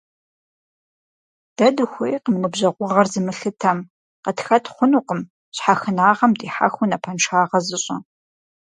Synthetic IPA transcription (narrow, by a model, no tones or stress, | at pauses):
d̥ɐdɨxʷejqəmmɨbʑɐʁʷʊʁɐrzɨmɨɬɨtʰɐm | qətxɐtʰχʷʊnuːqəm | ɕħaxɨnaːʁɐmdiːħa̰xʷʊnɐpʰɐnʈ͡ʂʰaːʁɐzɨɕʼɐ